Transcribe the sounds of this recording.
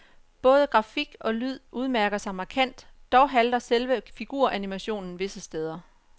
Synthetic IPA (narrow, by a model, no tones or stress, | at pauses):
b̥ɔ̽ːð̞ˠəɡ̥ʁɑ̈fiɡ̥ɒ̽lyð̞̰ˠʔuð̞ˠmæɐɡ̥ɐsɑ̈ɪmɑ̈kʰæn̰d̥ːɒʊɦæld̥ɐselʋəfiɡ̥uɐ̰ʔænimæɕo̝̰ːnn̩ʋe̝səsd̥eːð̞ˠɐ